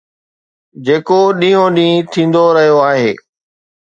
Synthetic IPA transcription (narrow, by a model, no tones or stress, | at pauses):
d͡ʑeːkoɗĩːjõɗĩːt̪ʰĩːn̆d̪oɾɐɦijoaːɦeː